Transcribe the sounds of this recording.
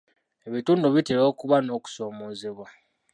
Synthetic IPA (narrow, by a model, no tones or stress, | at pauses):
e̞βituːnduβitelo̞ːkuβano̞ːku̥so̞ːmoːzeβwa